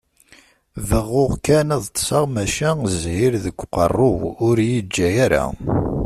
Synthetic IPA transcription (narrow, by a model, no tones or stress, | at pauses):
vəʁːʊʁkænæðˤt̪ːˤsɑʁmæʃæzhiɾðəɡʷːqə̰rˤːʊwʊɾjid͡ʒːæjaɾa̰